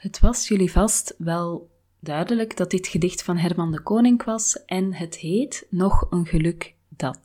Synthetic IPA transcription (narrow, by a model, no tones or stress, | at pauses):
hətʋɑsjɵlivɑstʋɛlˠ | dœɥdələɡdɑt̚ɪtxədɪxtfɑnɦɛrmɑndəkoːnɪŋkʋɑsʔɛnɦətɦeːtnɔxənɣəlɵk | dɑt